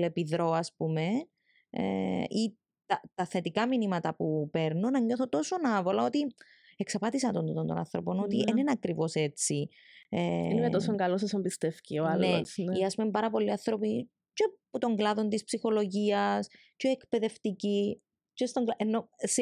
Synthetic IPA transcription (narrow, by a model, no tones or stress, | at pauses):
lepiðɾo̞ɐspume̞ | ḛi | t̪ɐt̪ɐθe̞t̪ikɐminimɐt̪ɐpupe̞ɾnonːɐɲːo̞θot̪o̞so̞nɐvo̞lɐo̞t̪i | eksɐpɐt̪isɐnt̪ond̪t̪ont̪onɐ̰nθɾopo̞not̪ienenɐkɾivo̞se̞t͡si | enimet̪osoŋɡɐlos̬ɐsɐmbist̪efcioɐlnneosniɐspumempɐɾɐpo̞lːiɐnθɾo̞pi | ceput̪o̞ŋɡlɐðo̞nt̪ispsixo̞lo̞ʝiɐs | ceekpe̞ðe̞ft̪ici | cest̪oŋɡlɐʔenːo̞s